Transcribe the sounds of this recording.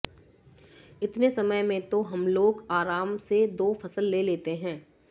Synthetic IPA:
ɪt̪nesɐməjmẽt̪oɦɐmloːɡaːɾaːmsed̪oːfʰɐsəlːeːleːt̪eɦɛ̃ː

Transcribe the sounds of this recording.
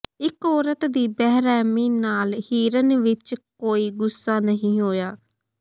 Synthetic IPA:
ɪkɔːɾət̪d̪iːbɛɦɾɛːmiːnaːlhiːɾənʋɪt͡ʃkoːiːɡʊsːaːnəɦĩːɦoːjaː

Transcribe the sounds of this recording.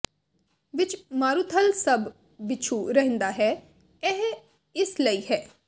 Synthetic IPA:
ʋɪt͡ʃmaːɾut̪ʰəlsəbː | ɪt͡ʃʰuːɾəɦə̃nd̪aːɦɛː | ɛɦ | ɪsləiːɦɛː

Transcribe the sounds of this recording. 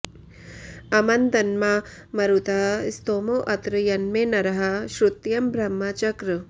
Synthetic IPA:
ɐmɐnd̪ɐnmaː | mɐɾut̪aːst̪oːmoːʔɐt̪ɾɨjɐnmeːnɐɾɐɦɐʃɾut̪jɐmbɾɐmːaːt͡ʃɐkɾɨ

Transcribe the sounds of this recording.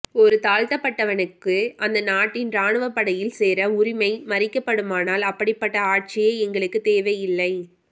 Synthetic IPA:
ɔɾɯt̪aːɻt̪ɐpːɐʈːɐʋɐnɯkːɯʔɐnd̪ɐnaːʈːɪnɾaːɳɯʋɐpːɐɽɐjɪlseːɾɐʊɾɪmɐɪmɐɾɪkːɐpːɐɽɯmaːnaːlɐpːɐɽɪpːɐʈːɐaːʈ̚t͡ʃɪjeːɛŋɡɐɭɯkːɯt̪eːʋɐjɪlːɐɪ

